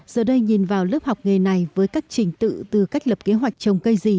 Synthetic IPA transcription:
z̥əː˨˩ɗə˧jɲi˨˩nvaː˨˩wlə˦˥p̚ha˨˩wk͡p̚ŋe˨˩na˨˩jvəː˨˦jkaː˦˥k̚t͡ɕï˨˩ŋ̟t̪ɨ̰˧˨t̪ɨ˨˩ka˦˥jk̟̚ləː˨˩p̚ke˨˦ɦwa˨˩jk̟̚t͡ɕə˨˩wŋ͡mkə˧jzi˨˩

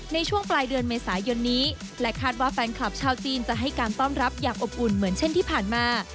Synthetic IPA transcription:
na˧jt͡ɕʰu˥˩əŋplaː˧jdɯ˧ənmeː˧saː˩˦jo˧nːiː˦˥ | lɛ˦˥kʰaː˥˩t̪̚waː˥˩fɛː˧nkʰla˨˩p̚t͡ɕʰaː˧˩wt͡ɕiː˧nt͡ɕa˨˩ɦa˥˩jkaː˧nt̪ɔː˥˩mɾa˦˥p̚jaː˨˩ŋʔo˨˩p̚ʔu˨˩nmɯ˩˦ənt͡ɕʰe˥˩nt̪ʰiː˥˩pʰaː˨˩nmaː˧

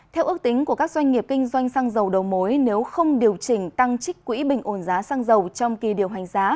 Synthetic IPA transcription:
t̪ʰɛ˧wʔɨ˦˥ək̚t̪ï˨˦ŋ̟ku˧˩əkaː˦˥k̚zwa˧ŋ̟ŋi˨˩əp̚kï˧ŋ̟zwa˧jŋ̟saː˧ŋzə˨˩wɗə˨˩wmo˨˦jne˨˦wxə˧wŋ͡mɗi˨˩əwt͡ɕï˧˩ŋ̟t̪a˧ŋt͡ɕï˦˥k̟̚kwḭ˧˥ɓï˨˩ŋ̟ʔo˧˩nzaː˨˦saː˧ŋzə˨˩wt͡ɕɔ˧wŋ͡mki˨˩ɗi˨˩əwɦa˨˩jŋ̟zaː˨˦

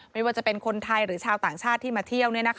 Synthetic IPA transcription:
mma˥˩jwaː˥˩t͡ɕa˨˩pe˧nkʰo˧nt̪ʰa˧jɾɯː˩˦t͡ɕʰaː˧wt̪aː˨˩ŋt͡ɕʰaː˥˩t̪ʰːiː˥˩maː˧t̪ʰi˥˩əwni˥˩ɐna˦˥kʰ

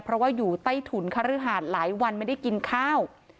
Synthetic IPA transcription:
pʰɾɔ˦˥waː˥˩juː˨˩t̪a˥˩jt̪ʰu˨˩˦nkʰa˧ɾɯ˦˥ɦaː˨˩t̪̚laː˩˦jwa˧nma˥˩jda˥˩jki˧nkʰaː˥˩w

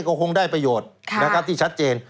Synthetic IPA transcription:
kɔː˥˩kʰo˧ŋdaː˥˩jpɾa˧joː˨˩t̪̚ʰna˦˥kʰa˦˥t̪ʰiː˥˩t͡ɕʰa˦˥t̪̚t͡ɕeː˧n

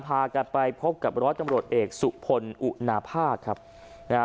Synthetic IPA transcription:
pʰaː˧ka˧˩npa˧jpʰo˦˥p̚ka˨˩p̚ɾɔː˦˥n̚t͡ɕa˧mɾu˨˩ə˩t̪̚ʔeː˨˩k̚su˨˩ʔpʰo˧nʔu˨˩na˧pʰaː˥˩kʰːa˦˥p̚ | na˧

